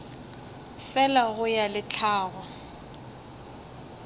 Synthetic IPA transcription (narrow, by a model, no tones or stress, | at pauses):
fɛlaɣʊjalɪt͡ɬʰaːɣɔ